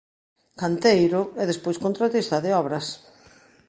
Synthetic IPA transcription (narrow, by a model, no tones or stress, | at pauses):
kant̪ejɾʊɛðespojskont̪ɾat̪ist̪aðɪɔβɾɐs